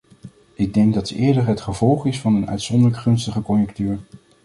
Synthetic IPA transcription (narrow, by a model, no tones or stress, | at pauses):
ʔɪɡ̚dɛŋɡ̚dɑtɪːɹdəɹɦətχəvɔlˠχɪsfɑnənœ̰ɥtsɔndəɹləkχɵnstəχəkɔnjək̚tyːɹ